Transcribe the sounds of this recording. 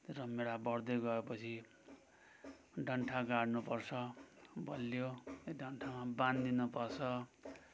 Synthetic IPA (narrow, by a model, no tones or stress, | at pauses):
rʌmeɽabʌɽd̪ʌjɡʌepʌt͡sʰi | ɖʱʌɳʈʰaɡaɽnupʌrt͡sʰʌbʌlːjoɖʱʌɳʈʰamabãnd̪inupʌrt͡sʰʌ